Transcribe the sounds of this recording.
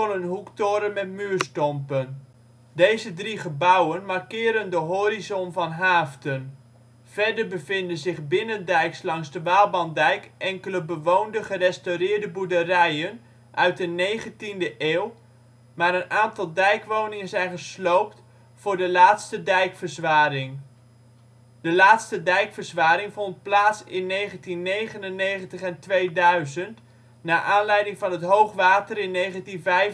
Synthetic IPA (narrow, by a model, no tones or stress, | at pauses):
ɔnənɦuktoːɾənmɛtmyːɹstɔmpən | dejzədriχəbʌwənmaɹkɪːɾəndəɦoːɾizɔnvɑnɦaːftən | v̥ɛɹdəɹbəvɪndənzɪχbɪnəndɛjkslɑŋzdəʋaːlˠbɑndɛjkʔɛŋkələbəʋowndəχərɛstorɪːɹdəbudərɛjən | ʔœ̰ɥt̚dənejχəntindəʔeːw | maːɾənaːntɑlˠdɛjkʋownɪŋənzɛjnχəslowp̚t | fʊːɹdəlaːtstədɛjkfəɹzʋaːrɪŋ | d̥əlaːtstədɛjkfəɹzʋaːɾɪŋvɔnt̚plaːtsɪnːejχəntinːejχənənːejχəntəχɛntʋejdœɥzənt | naːʔaːnlɛjdɪŋvɑnɦətɦowχʋaːtərɪnːejχəntinvɛj